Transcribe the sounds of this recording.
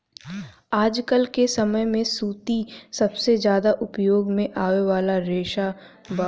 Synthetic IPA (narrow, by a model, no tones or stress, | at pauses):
aːd͡ʒkəlkesɐməjmẽsuːt̪isɐbsed͡ʒjaːd̪aʔʊpjoːɡmẽʔaːʋeʋaːlaɾeːʃa | ba